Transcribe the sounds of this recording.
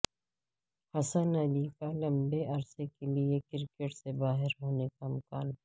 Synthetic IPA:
hɐsənɐlikalɐ̃mbeʔɐɾsekeliekɪɾkeʈsebaːɦɪɾɦoːnekaɪmkaːn

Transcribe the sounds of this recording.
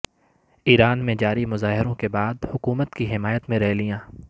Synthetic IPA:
iːɾaːnmẽd͡ʒaːɾimʊzaːɦɪɾõkebaːd̪hʊkuːmət̪kiɦɪmaːjət̪mẽɾɛɦlijãː

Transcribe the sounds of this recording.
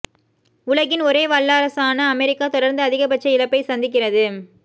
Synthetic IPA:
ʊlɐɣɪnɔɾeːʋɐɭːaːɾɐsaːnɐːmɛɾɪkːaːt̪ɔɽɐɾnd̪ɐːðɪɣɐpɐʈt͡ʃːɐɪlɐpːɐɪsɐnd̪ɪk̬ːɪrɐðɯ

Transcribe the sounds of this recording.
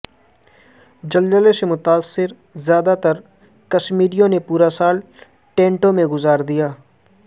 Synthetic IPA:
d͡ʒɐld͡ʒəlesemʊt̪aːsːɪɾ | zjaːd̪at̪ɐɾ | kɐʃmiːɾijõnepuːɾasaːl | ʈẽːɳʈõmẽɡʊzaːɾd̪ijaː

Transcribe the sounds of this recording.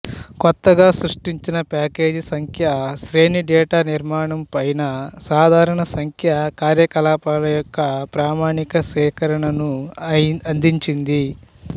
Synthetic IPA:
kɔt̪ːɐɡaːsɾuʂʈiɲt͡ʃinɐpaːke̞ːd͡ʒisɐŋkʰjɐsɾeːniɖɛːʈaːniɾmaːɳɐmpɐjnɐsaːd̪ʱaːɾɐɳɐsɐŋkʰjɐkaːɾjɐkɐlaːpalɐjɔkːɐpɾaːmaːɳikɐsɛːkɐɾɐɳɐnu | ɐnd̪iɲt͡ʃind̪i

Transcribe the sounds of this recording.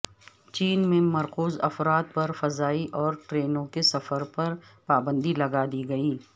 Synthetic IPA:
t͡ʃiːnmẽmɐɾquːzɐ̰fɾaːt̪̚pɐɾfɐzaːiʔɔːɾʈɾeːnõkesɐfəɾpɐɾpaːbə̃nd̪ilɐɡad̪iːɡɐiː

